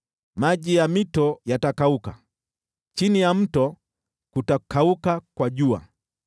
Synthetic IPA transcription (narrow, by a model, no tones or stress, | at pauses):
maʄijamitɔjatakauka | t͡ʃinijam̩tɔ | kutakʰaukakwaʄua̰